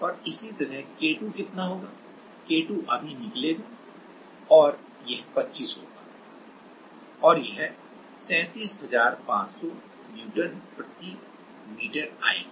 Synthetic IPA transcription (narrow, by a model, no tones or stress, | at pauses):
ɔːɾɪsit̪ɐɾɛɦkeːʈukɪt̪naɦoːɡaː | keːʈuʔɐbʱinɪkleɡ̪aː | ɔːɾ | jɛɦpɐtːʃiːsɦo̰ːɡaː | ɔːɾjeɦɛ | sɛ̃ːt̪iːsɦɐzaːɾpãːt͡ʃsɔ | mjuːʈənpɾət̪i | miːʈəɾa̰ːɪ̰̃ː